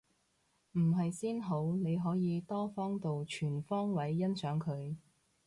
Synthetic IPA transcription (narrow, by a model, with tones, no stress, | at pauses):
m̩˨˩ɦɐ˨jsiː˥nɦo˨˥wne˨˧jɦɔː˨˥jiː˨˧t̪ɔː˥fɔː˥ŋt̪o˨wt͡ʃʰyː˨˩nfɔː˥ŋwɐ˨˥jːɐ˥nsœː˨˥ŋkʰɵ˨˧ɥ